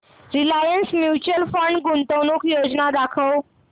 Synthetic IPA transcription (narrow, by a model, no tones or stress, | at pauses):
ɾilajənsmjut͡ɕəlfəɳɖɡunt̪əwnuːkjod͡ʑnad̪akʰəw